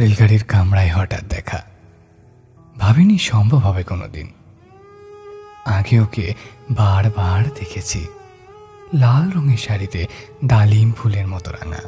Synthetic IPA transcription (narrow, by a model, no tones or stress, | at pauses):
ɾelɡaɽiɾkamɾaeɦɔʈa̰t̪̚d̪ɛkʰa̰ | bʱabiniʃɔmbʱobʱɔbekono̰d̪ḭn | aɡeokebaɽbaɽd̪ekʰet͡ɕʰḭ | lalɾɔŋeɾʃaɾit̪e | ɖ̪alimpʰuleɾmɔt̪oɾa̰na̰